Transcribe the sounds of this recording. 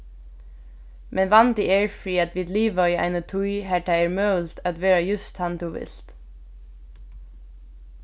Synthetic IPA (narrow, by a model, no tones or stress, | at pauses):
mʔɛnʋɑnd̪ɪeːɹfɹiːɑt̪ʋiːd̪liːʋayːæ̰ɪnət̪ʰuʏɦæːʈʰæeːɹmœlt̪ʰat̪ʋeːɹajʉst̪hɑnd̪uːʋɪ̰lt̪